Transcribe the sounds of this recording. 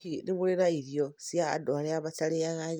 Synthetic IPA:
iniβulinaiɾjosia̰ːdoleaβatalejaɣaɲ

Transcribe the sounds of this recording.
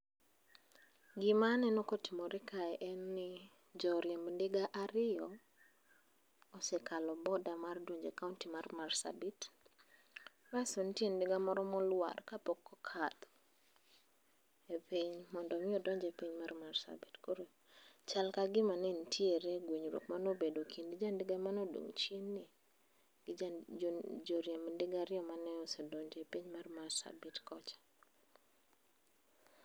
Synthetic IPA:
ɡɪmanɛnɔkotimoɾɛkaɛʔɛnːɪ | d͡ʒɔɾjembndɪɡaʔaɾɪɔ | ɔsɛkʰalɔbɔdamardwoɲd͡ʒekauntimarmarsa̰bit | basontiendɪɡamɔɾɔmɔlwa̰rkapɔkʰːɔkʰat̪ | epiɲmɔndɔmɪodɔɲd͡ʒepiɲmarmarsa̰bitkoɾo | t͡ʃalkaɡɪmanɪntʰjeɾeɡwiɲɾo̰kmanobedokʰindid͡ʒandɪɡamanodṵŋt͡ʃinːɪ | ɡ̥ɪ | d͡ʒoɾjamndɪɡaɾɪɔmanɛosodoɲd͡ʒepiɲmarmarsa̰bitkɔt͡ʃḁ

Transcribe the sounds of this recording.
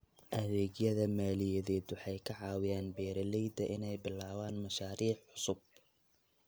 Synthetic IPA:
ʔɐðɛːɣjɐðɐmaːlɪjɐðɛːd̪wʊħɑjkʰɐʕɑːwɪjaːnbɛːɾɐlɛjd̪ɐʔɪnɛjbɪlaːwaːnmɐʃaːɾiːħʕʊsʊb̚

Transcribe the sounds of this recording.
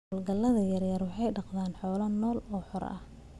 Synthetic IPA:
lɡɐlːɐðɐjɐrjɐrwɑħɑjɖɑqðaːnħɔːlɐnɔːlɔːħɔɾ̰ɐ̰h

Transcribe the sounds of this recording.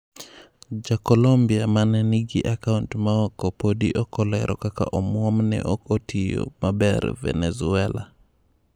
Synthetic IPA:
d͡ʒakɔlombiamanɛniɡiʔakauntmaɔkɔpodiʔɔkɔlɛɾʔɔ̰kaka̰ʔɔmwɔmnɛ̰ʔɔkɔtʰijo̰mabɛɾvɛ̰nɛzuɛla̰

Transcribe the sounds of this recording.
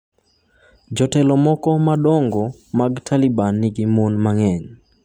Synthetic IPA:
d͡ʒɔtɛlɔmɔkɔmaɗɔŋɡɔ | maɡtʰalibanːiɡimonmaŋɛɲ

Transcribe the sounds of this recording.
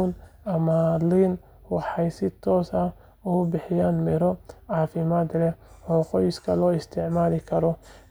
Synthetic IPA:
nɐmaliːn | wɑħɑjsɪt̪ʰɔːsɐ | ʊbɪħɪjaːnmɪɾɔʕɑːfɪmaːd̪lɛɔːqɔjskʰɐlɔːɪst̪ʰɪʕmaːlɪkʰɐɾɔ

